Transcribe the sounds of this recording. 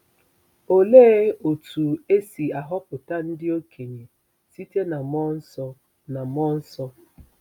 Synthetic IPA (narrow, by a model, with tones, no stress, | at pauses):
o˨le˦o˨tu˨e˦si˨a˨ɦɔ˦pʊ˨ta˦n̩˦dɪ˦o˦kʰe˨ɲe˨ | si˦te˦na˨mɔ˦n̩˦sɔ˦ | na˨mɔ˦n̩˦sɔ˦